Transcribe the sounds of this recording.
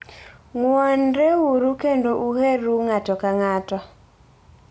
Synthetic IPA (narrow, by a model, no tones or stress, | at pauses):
ŋwɔnɾewuɾukendoʔuheɾuŋatɔkaŋatɔ